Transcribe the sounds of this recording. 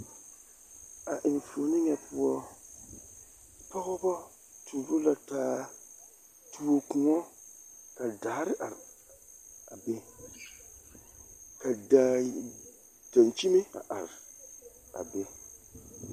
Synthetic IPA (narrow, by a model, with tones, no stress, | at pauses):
a˨ʔɪ˨n˨fo˨nɪ˦ɲɛ˦pʊ˦ɔ˦ | pɔ˦ɣɔ˦bɔ˦ | tʰu˨ɾo˦la˨taː˦ | tʰu˦o˨kũ˨ŋɔ˦ka˨daː˨˦ɾɪ˦ʔa˨ɾ | a̰˨be˦ | ka˨da˨ | ta˨nt͡ʃi˦mɪ˦a̰˨ʔa˨ɾɪ˨ | a̰˨be˦